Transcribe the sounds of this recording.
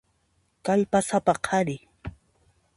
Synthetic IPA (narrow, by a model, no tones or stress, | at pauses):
kaʎpasapaqʰɑɾɪ